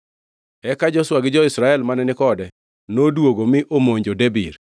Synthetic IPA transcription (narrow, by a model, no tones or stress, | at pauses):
ɛkad͡ʒɔswaɡɪd͡ʒɔɪsɾaɛlmanɛnɪkɔdɛ | nodwoɡomɪʔomoɲd͡ʒodebiɾ